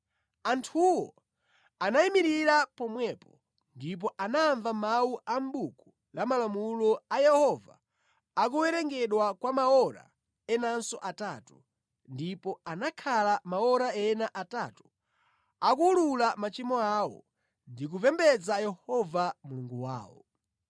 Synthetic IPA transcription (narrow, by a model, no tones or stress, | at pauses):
antʰuwɔ | anaimiɾiɾapɔmwɛpɔ | ndip̬ɔʔanaːɱvamawuʔam̩buku | lamalamulɔajɛhɔva̰ | akuwɛɾɛŋɡɛɗwakwamaɔɾa̰ | ɛnansɔʔatatu | ndipɔanakʰalamaɔɾaɛnaʔatatu̥ | akululamat͡ʃimɔawɔ̰ | ndik̬uvɛmbɛd͡zajɛhɔvamuluŋɡuwa̰ːwɔ̰